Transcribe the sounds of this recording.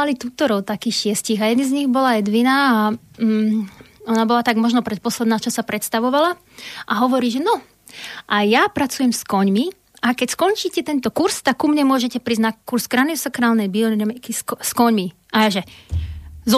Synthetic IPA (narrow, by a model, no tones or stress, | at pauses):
alit̪uːt̪ɔɾɔʊt̪akiːxʃɪɛsciɣajɛd̪nizɲiɣbɔlaɛd̪ʋinaː | ɔnabɔlat̪aɡmɔʒnɔpɾɛt̪̚pɔslɛd̪naːt͡ʃɔsapɾɛt̪st̪aʋɔʋala | ʔaɦɔʋɔɾiːʒɛnɔ | ʔajapɾat͡sujɛmskɔɲmi | ʔakɛcskɔnt͡ʃiːcɛt̪ɛnt̪ɔkuɾst̪akːumɲɛmʊɔʒɛcɛpɾiːznakuɾsɡɾad̪iɔsakɾaːlnɛjbiɔnɾɛmɛkiskskɔɲmi | ʔajaʒɛ | z